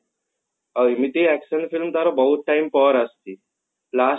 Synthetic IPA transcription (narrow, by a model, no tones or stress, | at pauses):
əimit̪iæksənfilmt̪aɾɔbəɦut̪̚ʈaimpəɾəst̪iː | pla